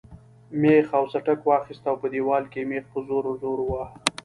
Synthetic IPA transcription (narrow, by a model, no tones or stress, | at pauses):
mexawsaʈakwɑxist̪awpəd̪ewɑlkemexpəzoɾozoɾwa